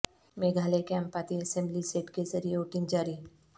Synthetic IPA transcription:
meːɡʱaːlekɛ̃mpaːt̪iɐsɛ̃mbliseːʈkezɐɾieoʈɪ̃nd͡ʒaːɾi

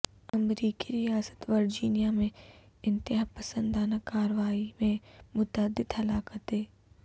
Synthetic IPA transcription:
ɐmɾiːkiɾijaːsə̥t̪ʋɐɾd͡ʒiːnijamẽ | ɪ̃nt̪ɪɦapɐsə̃nd̪aːnakaːɾʋaːimẽmʊt̪əːd̪ɪt̪ɦɐlaːkət̪ɦeː

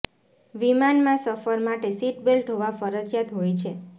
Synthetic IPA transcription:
ʋimanmãsəfəɾmaʈesiʈ̚belʈɦoʋafəɾəd͡ʒjat̪ɦojt͡ʃʰe

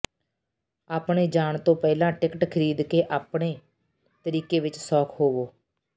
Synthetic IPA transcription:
aːpɳeːd͡ʒaːɳt̪õːpɛːlãːʈɪkʈkʰəɾiːd̪keːʔaːpɳeː | t̪əɾiːkeːʋɪt͡ʃsɔːkʰɦoːʋoː

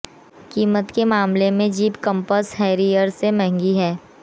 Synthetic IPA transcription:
kiːmət̪kemaːmlemẽd͡ʒiːpkə̃mpəsɦɛːɾijəɾsemɛɦŋɡiɦɛː

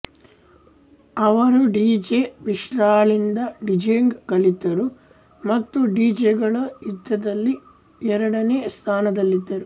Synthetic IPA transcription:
ɐʋɐɾuɖiːd͡ʒeʋiʃɾaːɭind̪ɐɖid͡ʒeŋɡkɐlid̪ːɐɾu | mɐt̪ːuɖiːd͡ʒeɡɐɭɐid̪ːɐd̪ɐlːi | ɛɾɐɽɐneːst̪ʰaːnɐd̪ɐlːid̪ːɐɾu

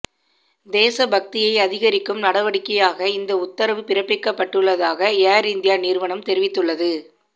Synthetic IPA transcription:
d̪eːsɐbɐk̚t̪ɪjɐɪɐðɪɣɐɾɪkːɯmnɐɽɐʋɐɽɪkːɐjaːɣɐɪnd̪ɐʊt̪ːɐɾɐʋɯpɪɾɐpːɪkːɐpːɐʈːɯɭːɐðaːɣɐaːɾɪnd̪ɪjaːniːɾʋɐɳɐmt̪ɛɾɪʋɪt̪ːɯɭːɐðɯ

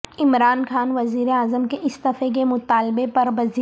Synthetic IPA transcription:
ɪmɾaːnxaːnʋɐziːɾeaːzəmkeʔɪsd̪ɐfek̬emʊt̪aːlbepɐɾʋɐzi

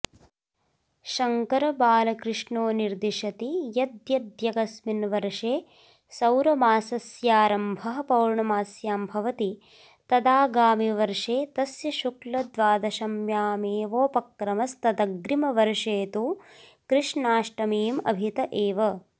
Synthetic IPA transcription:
ʃɐŋkɐɾɐbaːlɐkɾɪʂɳoːniɾd̪iʃɐt̪ijɐd̪jɐd̪jɐɡɐsminʋɐɾʂeː | sɐwɾɐmaːsɐsjaːɾɐmbʱɐɦɐ̆pɐwɾɳɐmaːsjaːmbʱɐʋɐt̪i | t̪ɐd̪aːɡaːmiʋɐɾʂeːt̪ɐsjɐʃuklɐd̪ʋaːd̪ɐʃɐmjaːmeːʋoːpɐkɾɐmɐst̪ɐd̪ɐɡɾimɐʋɐɾʂeːt̪u | kɾɪʂɳaːʂʈɐmiːmɐ̰bʱit̪ɐʔeːʋɐ

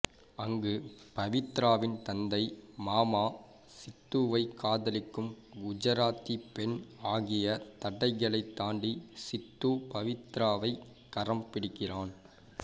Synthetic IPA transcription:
ɐŋɡɯpɐʋɪt̪ːɾaːʋɪnt̪ɐnd̪ɐɪmaːmaː | sɪt̪ːuːʋɐɪkːaːðɐlɪkːɯm | ʊd͡ʒɐɾaːt̪ːipɛnaːɣɪjɐt̪ɐɽɐɪɣɐɭɐɪt̪ːaːɳɖisɪt̪ːuːpɐʋɪt̪ːɾaːʋɐɪ | kːɐrɐmpɪɽɪkːɪraːn

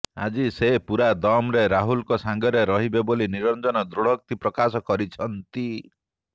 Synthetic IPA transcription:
a̰d͡ʒisepuɾad̪ɔmɾeɾaɦulkɔsaŋɡɔɾeɾɔɦibeboliniɾɔnd͡ʒɔnɔd̪ɾuɽ̤ɔk̚t̪ipɾɔkasɔkɔɾit͡ʃʰɔnt̪i

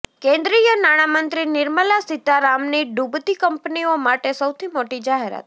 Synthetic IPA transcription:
kẽnd̪ɾijənaɽ̃amənt̪ɾinɪɾməlasit̪aɾamniɖubt̪ikəmpniomaʈesəwt̪ʰimoʈid͡ʒaɦeɾa̰t̪

